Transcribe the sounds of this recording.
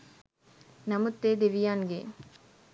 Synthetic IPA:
nɐmut̪ːeːd̪eʋijaːnɡe

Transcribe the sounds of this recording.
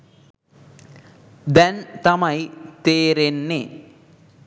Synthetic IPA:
d̪ɛnt̪ɐmɐjt̪eːɾenːe

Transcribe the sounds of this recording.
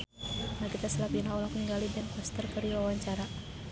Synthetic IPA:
nakit̪asəlapinaɔlakəŋɡalidɛnkɔst̪ərpəɾiwawaɲt͡ʃaɾa

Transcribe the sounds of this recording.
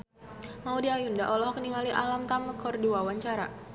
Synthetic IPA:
maudiajundaʔɔlɔɦɔkəniŋaliʔalamt̪aməkʰɔrdiwawaɲt͡ʃaɾa

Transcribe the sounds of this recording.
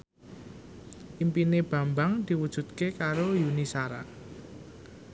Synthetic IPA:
ʔimpineb̥a̤mbaŋd̪̥i̤wud̥ʒ̥ṳd̪̚kekaɾojunisaɾa

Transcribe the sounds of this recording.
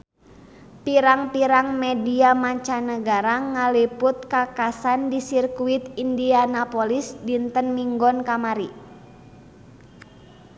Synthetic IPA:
piɾaŋpiɾaŋmɛdiamaɲt͡ʃanəɡaɾaŋalipʊt̪̚kakasandisirkuit̪̚indianapɔlisdint̪ənmiŋɡɔnkamaɾi

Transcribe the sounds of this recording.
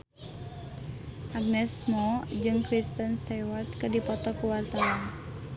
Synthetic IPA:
ʔaɡ̚nɛsmɔd͡ʒɨŋkɾist̪ənst̪awart̪̚kɨrdipɔt̪ɔkuwart̪awan

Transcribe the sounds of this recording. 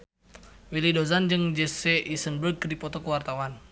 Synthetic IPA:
wilidozand͡ʒəŋd͡ʒɛseʔisənbərɡdipɔt̪ɔkəwart̪awan

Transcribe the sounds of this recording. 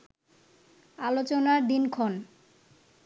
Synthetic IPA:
alot͡ɕonad̪inkʰon

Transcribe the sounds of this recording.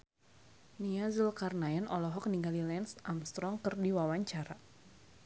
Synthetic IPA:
niazəlkarnaɛnɔlɔɦɔk̚niɡalilɛnsʔamst̪ɾɔŋkərdiwawaɲt͡ʃaɾa

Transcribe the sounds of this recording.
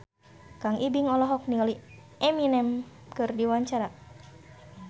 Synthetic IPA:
kaŋʔibiŋɔlɔɦɔk̚niŋali | ɛminɛm | kɨrdiwaɲt͡ʃaɾa

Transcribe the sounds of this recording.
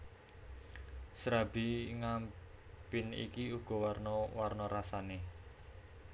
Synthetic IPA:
sɾabi̤ŋampɪnḭkiuɡ̥ɔ̤warnɔwarnɔɾasane

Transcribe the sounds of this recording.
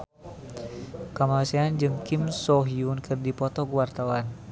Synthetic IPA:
kamasɛand͡ʒɨŋkimsɔɦiunkʰɨrdipɔt̪ɔkuwart̪awan

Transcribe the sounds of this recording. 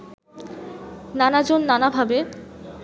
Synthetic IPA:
nanad͡ʑonːanabʱabe

